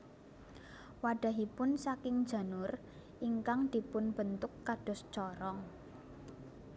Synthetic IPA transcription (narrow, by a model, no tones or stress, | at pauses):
waɖ̥ä̤ɦipʊnsakɪŋd̥ʒ̥ä̤nʊr | ʔiŋkaŋd̪̥i̤pʊnb̥ə̤nt̪ʊkːaɖ̥ɔ̤st͡ʃɔɾɔŋ